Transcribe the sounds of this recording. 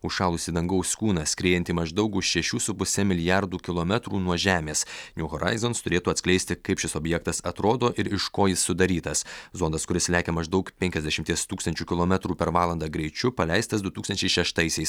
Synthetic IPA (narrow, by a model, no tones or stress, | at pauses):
ʊʃʃɑːlˠʊsʲid̪ɐŋɡɐʊsʲkuːnɐsʲkɾʲeːjɛnʲt̪ʲiːmɐʒd̪ɐʊkʊʃʃʲɛʃʲuːsʊpʊsʲɛmʲɪlʲɪjɑɾd̪uːkʲɪlˠoːmʲɛt̪ɾuːnuɔʒʲæːmʲeːsnʲuːɣɔɾʔɑ̰ɪzonst̪ʊɾʲeːt̪uːɐt̪sʲklʲɛɪsʲt̪ʲɪkɐɪpʃʲɪsoːbʲjɛkt̪ɐsɐt̪ɾoːd̪oːʔɪɾɪʃkoːjɪsːʊd̪ɐɾʲiːt̪ɐszoːnd̪ɐskʊɾʲɪslʲæːkʲɛmɐʒd̪ɒʊkpʲɛŋʲkʲɛzd̪ʲɛʃʲɪmʲt̪ʲiɛst̪uːkst̪ɐnʲt͡ʃʲuːkʲɪlˠoːmʲɛt̪ɾuːpʲɛɾʋɑːlˠɐnd̪ɑɡɾʲɛɪt͡ʃʲʊpɐlʲɛɪst̪ɐsd̪ʊt̪uːksɐnʲt͡ʃʲɛɪʃʲɛʃt̪ɐɪsʲɛɪs